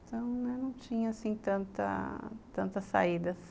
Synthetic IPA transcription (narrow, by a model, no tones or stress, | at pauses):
t̪ɐ̃w̃nɛnɐ̃w̃t͡ʃĩɲɐasĩt̪ɐ̃nt̪ɐ̰t̪ɐ̃nt̪ɐsːa̰id̪ɐs